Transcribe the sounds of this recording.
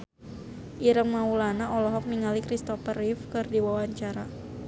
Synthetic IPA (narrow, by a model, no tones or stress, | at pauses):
ʔiɾəŋmaulanaɔlɔɦɔk̚miŋalikɾist̪ɔfərifkɨrdiwawaɲt͡ʃaɾa